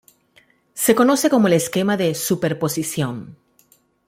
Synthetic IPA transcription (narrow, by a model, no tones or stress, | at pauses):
se̞ko̞no̞se̞komoeleske̞maðe̞supe̞ɾpo̞sisjo̞n